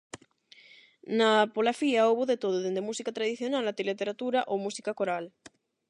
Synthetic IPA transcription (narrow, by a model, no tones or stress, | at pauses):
napolafiaoβoðet̪oðoðend̪emusikat̪ɾaðiθjonalat̪elet̪eɾat̪uɾaʔomusikakoɾal